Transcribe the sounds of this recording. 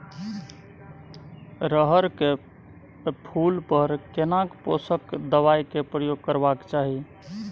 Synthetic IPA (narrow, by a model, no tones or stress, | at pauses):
ɾəɦəɾke | pʰulpəɾkenakposəkd̪əβajkepɾəjoɡ̚kəɾbakt͡ʃaɦi